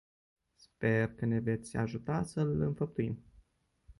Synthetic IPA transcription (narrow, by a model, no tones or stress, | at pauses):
spe̞rkəne̞ve̞t̪sʲa̰ʒut̪asəlɨnfəp̚t̪uim